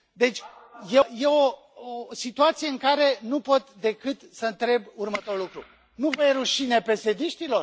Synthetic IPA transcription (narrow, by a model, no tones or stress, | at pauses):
d̪e̞t͡ʃʲjeje̞o̞ | osit̪uat̪sije̞ɨŋkaɾe̞nupo̞t̪d̪e̞kɨt̪səɨnt̪ɾe̞burmət̪o̞ɾulukɾu | nuvəjɾuʃine̞pe̞se̞d̪iʃt̪ilor